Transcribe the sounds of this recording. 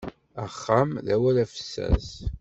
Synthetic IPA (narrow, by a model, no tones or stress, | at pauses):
æχːamðæwælæfə̥sːæ̰s